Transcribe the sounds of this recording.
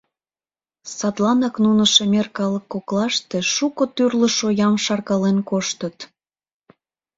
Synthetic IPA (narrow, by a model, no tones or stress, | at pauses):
sɑt̪lɑnɑknunəʃemerkɑləkːoklɑʃt̪e̽ʃukɤt̪yrləʃojɑmʃɑrkɑlenkoʃt̪ət̪